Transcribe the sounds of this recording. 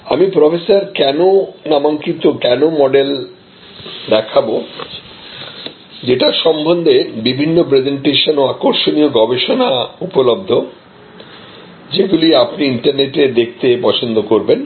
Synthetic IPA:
a̰mipɾɔfʰesaɾkɛnonamaŋkit̪okɛnomɔɖel | d̪ɛkʰabo | d͡ʑeʈaʃɔmbʱond̪ʱebibʱinːopɾed͡ʑeɳʈeʃonoakoɾʃonioɡɔbeʃonaupolob̚d̪ʱo | d͡ʑeɡuliapniiɳʈaɾneʈed̪ek̚ʰt̪epɔt͡ɕʰond̪okoɾben

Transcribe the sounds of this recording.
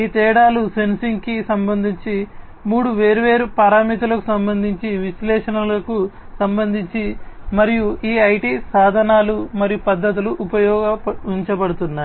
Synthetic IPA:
iːt̪ɛːɽaːlusensiŋɡkisɐmbɐnd̪ʱiɲt͡ʃi | muːɽuʋe̞ːɾuʋe̞ːɾupɐɾaːmiːt̪̬ulɐku̥sɐmbɐnd̪ʱiɲt͡ʃiʋiʃlɛːʂɐnɐlɐku | sɐmbɐnd̪ʱiɲt͡ʃimɐɾijuiːɐjʈiːsaːd̪ʱɐnaːlumɐɾijupɐd̪ːɐt̪̬uluʔupɐjɔːɡɐiɲt͡ʃɐpɐɽut̪unːaːɾ

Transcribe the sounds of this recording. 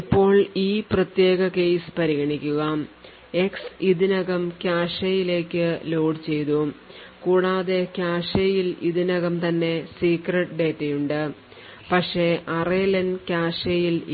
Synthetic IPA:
ipːo̞ːɭiːprɐt̪je̞ːɣɐke̞jsɨ̥pɐɾiɣɐɳikʲːuɣaːm | e̞ksiðinɐɣɐmkʲaːʂɐjile̞ːkʲːɨlo̞ːɖt͡ɕe̞jt̪u | kuːɽaːðe̞kʲjaːʂejiliðinɐɣɐmt̪ɐnːe̞siːkreʈɖe̞ːtːejuɳɖɨ | pɐkʂe̞ʔɐrelɐnkʲaːʂejil

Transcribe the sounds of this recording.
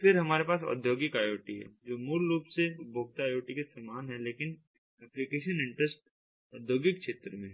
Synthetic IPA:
fʰɪɾɦɐmaːɾepaːsɔ̰d̪ʱjoːɡɪkaːjoːʈiɦɛ̰d͡ʒoːmʊɾɾuːpsebʱoːɡ̚t̪aːjoːʈikesɐmaːnɦɛleːkɪn | ɛplikeːʃənɪ̃ɳʈɾəsʈ̚ | ʊd̪ʱjoːɡɪkʃeːt̪ɾəmẽɦ

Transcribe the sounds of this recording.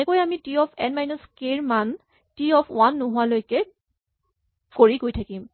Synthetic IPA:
ɛkojamitiɔpʰɛnmajnɔskeɹman | tiɔpʰʊ̰wanːʊɦʊwalojkɛ | koɹiɡojtʰakim

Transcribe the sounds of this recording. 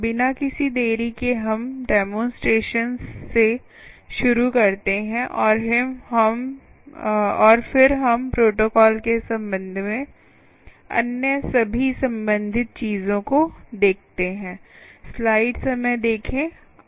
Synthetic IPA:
bɪnakɪsid̪eːɾikeɦɐmɖɛːmõːnsʈɾeːʃənzːe | ʃʊɾukɐɾt̪eɦɛ̃ʔɔːɾɦɪmɦɐm | ɔːɾfɪɾɦɐmpɾoːʈoːkɔːlkesɐ̃mbə̃nd̪ʱmẽ | ɐ̰njəsɐbʱisɐ̃mbə̃nd̪ʱɪt̪̚t͡ʃiːzõkod̪eːk̚ʰt̪eɦɛ̃ːslaːɪɖsɐmɛ̃jd̪eːkʰẽ

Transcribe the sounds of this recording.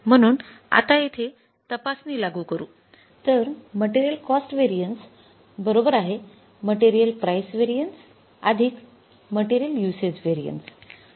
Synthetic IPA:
m̤əɽ̃uːna̰t̪ait̪ʰe | t̪əpasniːlaɡʱuːkəɾuː | t̪əɾməʈiɾijəlkɔsʈʋeɾijəɳʈs | bəɾobəɾaɦe | məʈeɾijəlpɾajsʋeɾijəɳʈs | ad̪ʱiːk | məʈiɾijəljused͡ʑʋeɾijə̰ɳʈs

